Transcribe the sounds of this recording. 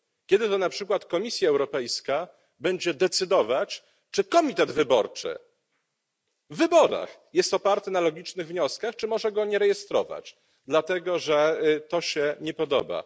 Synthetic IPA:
kʲɛd̪ɘt̪ɔnapʂɘkwat̪kɔmʲisʲjaɛwɾɔpɛjska | bɛɲd͡ʑɛd̪ɛt̪sɘd̪ɔvat͡ɕ | t͡ʂɘkɔmʲit̪ɛd̪vɘbɔɾt͡ʂɘ̰ | vːɘbɔɾa̰xjɛst̪ɔpaɾt̪ɛnalɔɡʲit͡ʂnɘɣvɲɔskaxt͡ʂɘmɔʐɛɡɔɲɛɾɛjɛst̪ɾɔ̰va̰t͡ɕ | d̪lat̪ɛɡɔʐɛt̪ɔɕɛɲɛpɔd̪ɔba̰

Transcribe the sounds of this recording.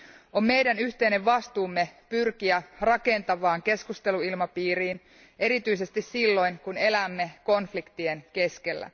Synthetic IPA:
o̞mːe̞jdænyçt̪e̞jne̞ʋʋɑst̪uːmːe̞pyrkiærɑke̞nt̪ɑʋɑːŋke̞skust̪e̞luilmɑpiːɾiːn | ʔe̞ɾit̪yise̞st̪issilːo̞jŋkune̞læmːe̞ko̞nflikt̪ie̞nke̞ske̞lːæ̰

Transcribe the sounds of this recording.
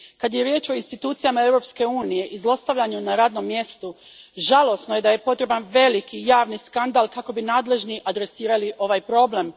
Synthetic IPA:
kad̪je̞ɾje̞ːt͡ʃo̞inst̪it̪uːt̪sijamae̞vɾo̞pske̞uːnije̞ʔizlˠo̞st̪aʋʎaɲunaɾaːd̪no̞mːje̞st̪u | ʒalˠo̞sno̞je̞d̪aje̞po̞t̪ɾe̞banʋe̞likijaːʋniskand̪alˠkako̞binaːd̪le̞ʒniʔad̪ɾe̞siːɾaliʔo̞ʋajpɾo̞ble̞m

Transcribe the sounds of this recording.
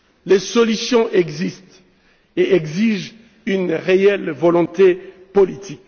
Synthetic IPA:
lesɔlysjɔ̃ʔɛɡzist̪ | eɛɡziʒ | ynʁeɛlvɔlɔ̃t̪e | pɔlit̪ʰik

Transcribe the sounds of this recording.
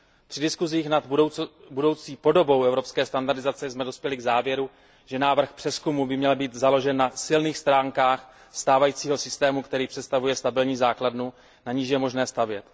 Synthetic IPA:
pr̝̥ɪdɪskuziːxnat̪budo̞wt͡siːpo̞do̞bo̞wʔɛvɾo̞pskɛːst̪andaɾdɪzat͡sɛzmɛdospjɛlɪɡzaːvjɛɾu | ʒ̥ɛnaːvr̩xpr̝̥ɛskumubɪmɲɛlbiːt̪zalo̞ʒɛnːasɪlniːxst̪ɾaːŋkaːx | st̪aːvajiːt͡siːɦo̞sɪst̪ɛːmukt̪ɛɾiːpr̝̥ɛt̪st̪avujɛst̪abɪlɲiːzaːkladnu | naɲiʃ̬jɛmo̞ʒnɛːst̪avjɛt̪

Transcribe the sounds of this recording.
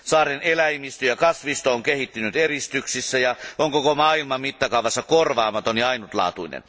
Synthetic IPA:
sɑːrenelæimist̪øjɑkɑsʋist̪ooŋkehit̪ːynyt̪erist̪yksisːæjɑʔoŋkokomɑːilmɑmmit̪ːɑkɑˑuʋɑsːɑkorʋɑːmɑt̪onːiɑinut̪lɑ̰ːt̪uinḛn

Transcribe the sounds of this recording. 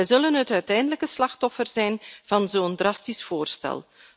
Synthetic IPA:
ɛjzɵlənɦətœɥtɛjndələkəslɑxtɔfərzɛjnv̥ɑnzoːndrɑstisfoːrstɛ̰lˠ

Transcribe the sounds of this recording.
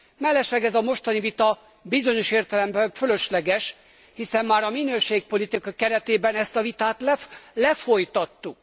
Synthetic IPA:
mɛlːɛʃlɛɡɛzɒmo̞ʃt̪ɒnivit̪ɒ | bizo̞ɲo̞ʃeːrt̪ɛlɛmbɛɱfølø̞ʃlɛɡɛʃ | hisɛmːaːɾɒminøːʃeːk̚po̞lit̪ikɒkɛɾɛt̪eːbɛnɛst̪ɒvit̪aːt̪llɛfo̞jt̪ɒt̪ːuk

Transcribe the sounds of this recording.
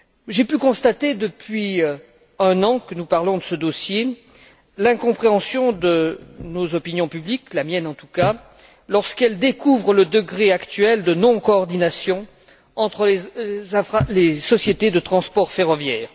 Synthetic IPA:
ʒepykɔ̃st̪at̪ed̪əpɥi | ɛ̃nɑ̃kənupaʁlɔ̃d̪əsəd̪osje | lɛ̃kɔ̃pχeɑ̃sjɔ̃d̪ənozɔpinjɔ̃pybliklamjɛnɑ̃t̪u̥ka | lɔʁskɛld̪ekuvʁələd̪əɡʁeakt̪ɥɛld̪ənɔ̃koːʁd̪inasjɔ̃ | ɑ̃t̪χəleɛ̃falesɔsjet̪ed̪ət̪χɑ̃spɔʁfeʁɔvjɛːʁ

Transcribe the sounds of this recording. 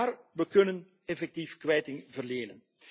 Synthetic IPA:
aːrʋəkɵnən | ɛfɛk̚tifkʋɛjtɪŋvərleːnən

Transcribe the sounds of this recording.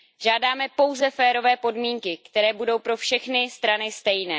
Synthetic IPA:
ʒaːdaːmɛpo̞wzɛfɛːɾo̞vɛːpo̞dmiːŋkɪkt̪ɛɾɛːbudowpɾo̞fʃɛxnɪst̪ɾanɪst̪ɛjnɛː

